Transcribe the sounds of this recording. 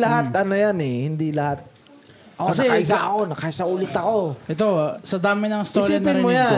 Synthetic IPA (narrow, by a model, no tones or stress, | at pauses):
lɐɦat̪̚ʔɐno̞janɛhɪnd̪ilɐhat̪̚ | ɐʔoɐnsɐɛasaʔɐko̞nɐkaɪsɐʔuːlɪt̪ɐko̞ɛt̪osɐd̪aːmɪnɐŋɪst̪oɐnpɪmojja